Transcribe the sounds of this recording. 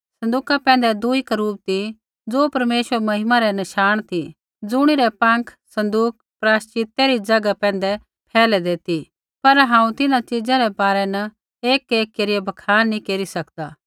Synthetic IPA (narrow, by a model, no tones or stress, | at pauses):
sɐ̃nd̪uːkapɛ̃ːn̆d̪ɛd̪uikɾuːp̚t̪i | d͡zoːpɐɾmeːʃwəɾmɐɦɪmaɾɛnɐʃaːɽ̃t̪ʰi | d͡zʊɽ̃iɾɛpɐ̃ŋkʰsɐ̃nd̪uːk̚ | pɾaːʃt͡ʃɪt̪ːeɾid͡zɐɡapɛ̃ːn̆d̪ɛ | pʰɛːlɛd̪eːt̪i | pɐɾɦãːũt̪ɪnãt͡ʃɪd͡zãɾɛbaːɾɛnɐ | eːkeːkːeːɾiɛbʱɐkʰaːnːĩkeːɾisɐkd̪aː